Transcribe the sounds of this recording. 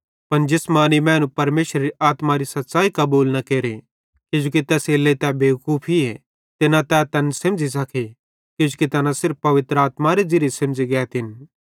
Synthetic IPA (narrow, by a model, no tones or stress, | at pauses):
pɐnd͡ʒɪsmaːnimɛ̃ːnũpɐɾmeːʃɾɐɾiʔaːt̪maɾisɐt̪ːʃaːikɐbuːlnɐkeːɾe | kɪd͡ʒukit̪ɛːseːlet̪ɛbeːkuːpʰiɛ | t̪ɪnãt̪ɛt̪ɐnsɐ̃md͡ʒis̬ɐkʰe | kɪd͡ʒukit̪ɐnãsɪɾppɐʋɪt̪ɾəaːt̪maɾed͡ʒɪɾesɐ̃md͡ʒiɡɛːt̪ɪn